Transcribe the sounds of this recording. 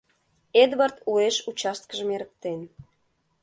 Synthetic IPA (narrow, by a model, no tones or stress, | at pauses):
ed̪βərt̪ueʃut͡ɕɑst̪̚kəʒəmeɾək̚t̪en